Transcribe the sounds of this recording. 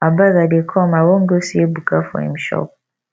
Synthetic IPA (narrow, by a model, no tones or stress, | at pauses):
abaɣadekʰɔmawɔŋ̩ɡosiebukafɔ̰ḭm̩ʃɔ̰p̚